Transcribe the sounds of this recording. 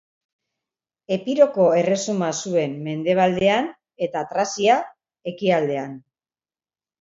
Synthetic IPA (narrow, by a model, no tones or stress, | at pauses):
e̞piɾo̞ko̞e̞re̞sumasue̞mːe̞nd̪e̞β̞ald̪e̞an | e̞t̪at̪ɾasia | e̞kiald̪e̞an